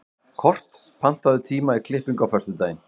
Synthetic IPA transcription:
kʰɔr̥t̪ | pʰan̥t̪aðʏt̪ʰiːmaikʰlɪhpiŋkawfœrst̪ʏt̪eːjɪn

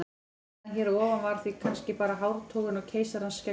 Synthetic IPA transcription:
çɛːɾɔːvanvaɾ̥θvikʰanscɪpaːɾaɦawɾt̪ʰowɣʏnawcʰeːjsaɾanscɛ

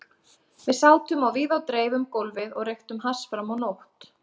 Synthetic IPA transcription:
vɪsaːwt̪ʏmawviːðawt̪ɾeːjvʏmkowlvɪðɔɣrejxt̪ʏmɦasfɾamːawnowht̪

